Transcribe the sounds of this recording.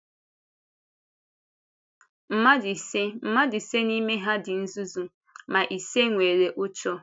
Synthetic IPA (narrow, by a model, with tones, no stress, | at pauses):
m̩˨˦ma˦di˨se˦m̩˨ma˦dɪ˨se˦ni˦me˦ɦa˦dɪ˨n̩˦zu˦zu˨ | ma˨ʔi˨se˦ŋʷe˨ɾe˨ʔʊ˦t͡ʃɔ˦